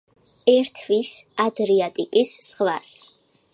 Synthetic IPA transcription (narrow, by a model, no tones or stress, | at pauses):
ɛɾt̪ʰvisad̪ɾiat̪ʼikʼisːχwa̰s